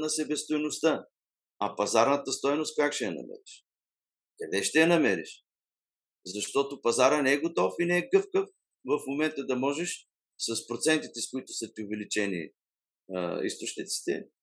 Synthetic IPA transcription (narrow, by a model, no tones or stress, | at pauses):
nɐsɛbɛst̪ojnʊst̪ə | ɐpɐzaɾnɐt̪əst̪ɔjnʊst̪̚kakʃɛjɐnɐ̰mɛ̰ɾiʃ | kɐd̪ɛʃt̪ɛjɐnɐmɛɾḭʃ | zɐʃt̪ɔt̪ʊpɐzaɾənɛɛɡot̪ɔfinɛɛɡɤfkəf | vɐfmomɛnt̪əd̪ɐmɔʒɛʃ | sɐspɾot̪sɛnt̪it̪ɛskʊit̪ʊ̥sət̪iʊvɛlit͡ʃɛnḭ | ḭst̪ot͡ʃnit̪ɛsi̥st̪ɛ̰mi